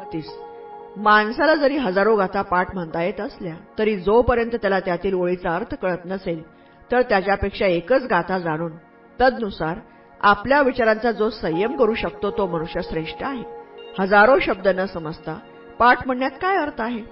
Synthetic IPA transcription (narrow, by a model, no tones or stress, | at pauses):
t̪iːs | mansalad͡zəɾiːɦəd͡zaɾoɡʱat̪ʰapaʈm̤əɳt̪ajet̪əsljat̪əɾiːd͡zopəɾjənt̪ət̪jalat̪jat̪iːloɭit͡saəɾt̪ʰə̥kəɭət̪nəsel | t̪əɾt̪jat͡ɕjapekʂaekət͡sɡʱat̪ʰad͡zaɽ̃uːn | t̪əd̪nusaɾ | apljaʋit͡ɕaɾãnt͡sad͡zosəjəmkəɾuːɕək̚t̪ot̪oməɽ̃uʂjasɾeʂʈəaɦehəd͡zaɾoɕəb̚d̪ənəsəməd͡zt̪a | paɾʈm̤əɳːjat̪kajəɾt̪ʰaɦe